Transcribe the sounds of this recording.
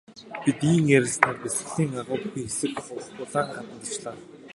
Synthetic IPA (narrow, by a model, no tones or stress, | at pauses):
pit̪iːŋeɾɘ̆ɮsnaːpes̆ɮiːŋaʁʊːpʲixesɘ̆kχʊspʊːɮaːŋχanə̆nt̪ə̆t͡ɕɮaː